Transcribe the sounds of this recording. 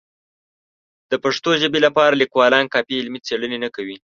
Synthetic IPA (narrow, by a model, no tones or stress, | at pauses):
d̪̥əpaʂt̪oʒəbelapɑɾalikwɑlɑnkɑpiɪlmit͡seɽənenakawi